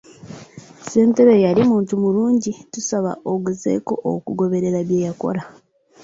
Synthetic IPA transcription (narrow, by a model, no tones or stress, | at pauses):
se̞ːnte̞ɾo̞jalimuːntumuluːɲɟitusaβa̰ʔoɡuze̞̰ːko̞ʔo̰kuɡo̞βe̞ɾe̞ɾaβjeːjako̞̰la